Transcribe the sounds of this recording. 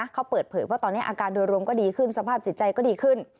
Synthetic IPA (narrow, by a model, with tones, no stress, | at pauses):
kʰa˦˥wpɤː˨˩t̪̚pʰɤː˨˩˦jwaː˥˩t̪ɔː˧nːi˦˥ʔaː˧kaː˧ndu˧jɾu˧əmkɔː˥˩diː˧kʰɯ˥˩nsa˧pʰaː˥˩p̚si˨˩˦t̪̚t͡ɕa˧jkɔː˥˩diː˧kʰɯ˥˩n